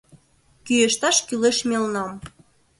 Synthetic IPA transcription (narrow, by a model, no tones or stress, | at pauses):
kyjĕʃt̪ɑʃkyleʃmʲelnɑm